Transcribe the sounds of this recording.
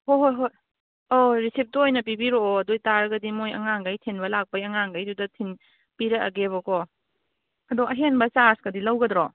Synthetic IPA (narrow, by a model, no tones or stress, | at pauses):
hoɦoɦo | oɾisip̚tuojnɐp̬ibiɾoɐdojtaɾɐɡɐdimojɐ̰ŋaŋɡajtʰenbɐlak̚pɐjɐŋaŋɡajdudɐtʰin | piɾɐɐ̰ɡeβɐkɔ | ɐdɔɐɦenbɐt͡ʃaɾskɐdilɐwɡɐdɾɔ